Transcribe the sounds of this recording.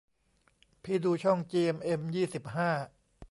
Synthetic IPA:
pʰiː˧duː˧t͡ɕʰɔ˥˩ŋt͡ɕiː˧e˧mʔe˧mjiː˥˩si˨˩p̚ɦaː˥˩

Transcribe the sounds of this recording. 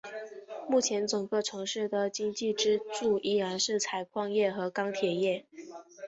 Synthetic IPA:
mu˥˩t͡ɕʰjɛ˧˥nʈ͡ʂɤ˨˩ŋɡə˥˩ʈ͡ʂʰɤ˧˥ŋʂɻ̩˥˩d̪ə˩t͡ɕi˥ŋt͡ɕi˥˩ʈ͡ʂɻ̩˥ʈ͡ʂu˥˩ʔi˥˩ɻa˧˥nʂɻ̩˥˩t͡sʰa˨˩ɪkʰwɑ˥˧ŋjɛ˥˩xɤ˧˥kɑ˥ŋt̪ʰjɛ˨˩jɛ˥˩

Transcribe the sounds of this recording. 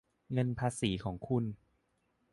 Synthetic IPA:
ŋɤ˧npʰaː˧siː˩˦kʰɔː˩˦ŋkʰu˧n

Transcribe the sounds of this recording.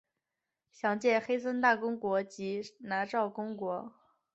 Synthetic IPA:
ɕjɑ˧˥ŋt͡ɕjɛ˥˩xe˥ɪsə˥nt̪a˥˩kʊ˥ŋkwɔ˧˥t͡ɕi˧˥na˧˥ʈ͡ʂɑ˥˩ʊkʊ˥ŋkwɔ˧˥

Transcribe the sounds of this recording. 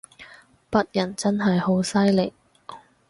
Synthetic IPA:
pɐ˥t̚jɐ˨˩nt͡sɐ˥nɦɐ˨jho˨˥wsɐ˥jlɪ˨k̚

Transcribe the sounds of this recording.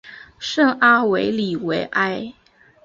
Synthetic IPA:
ʂɤ˥˩ŋa˥we˧˥ɪli˨˩we˧˥ɪʔa˥ɪ

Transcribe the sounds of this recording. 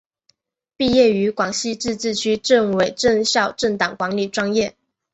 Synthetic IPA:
pi˥˧jɛ˥˩y˧˥kwɑ˨˩ŋɕi˥˧ʈ͡ʂɻ̩˥˧ʈ͡ʂɻ̩˥˩t͡ɕʰy˥ʈ͡ʂɤ˥˩ŋwe˨˩ɪʈ͡ʂɤ˥˧ŋɕjɑ˥˧ʊʈ͡ʂɤ˥˩ŋt̪ɑ˨˩ŋkwa˧˥ŋli˨˩ʈ͡ʂwɑ˥ŋjɛ˥˩

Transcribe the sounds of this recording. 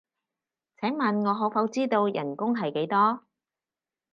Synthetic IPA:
t͡sʰɛː˨˥ŋmɐ˨nŋɔː˨˧ɦɔː˨˧˥kfɐ˨˥wt͡siː˥t̪o˧wjɐ̰˨˩nkʊ˥ŋɦɐ˨jke˨˥jt̪ɔː˥

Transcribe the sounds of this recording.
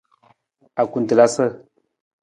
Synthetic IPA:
a˨ku˨n˨tə˨la˦sə˦˨

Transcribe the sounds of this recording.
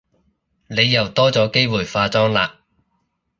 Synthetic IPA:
ne˨˧jːɐ˨˩wt̪ɔː˥t͡sɔː˨˥ke˥jwuː˨˩jfaː˧t͡sɔː˥ŋla̰ː˨

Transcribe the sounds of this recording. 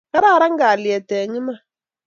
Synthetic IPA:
ka˦ɾa˦˨ɾa˦ŋ̩˦ɡaː˨li˨ɛ˨tɛː˨ɲi˦ma˦

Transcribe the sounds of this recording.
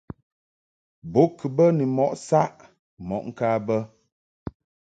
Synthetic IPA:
bo˨˦kʰɨ˨bə˦ni˨mɔ˨ʔsa˦ʔ | mɔ̰˨ʔŋ̩˦ka˦bə˦

